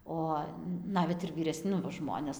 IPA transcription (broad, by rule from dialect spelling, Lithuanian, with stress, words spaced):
ˈoː ˈnɑːʋʲɛt ɪr ʋʲiːrʲɛˈsʲ ˈnʊ ʋɐ ˈʒmoːnʲɛs